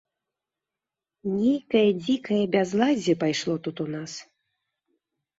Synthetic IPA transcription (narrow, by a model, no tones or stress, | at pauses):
nʲejkɐjɐd͡zʲikɐjɐbʲazlˠad͡zʲɛpajʂlˠɔt̪ut̪unas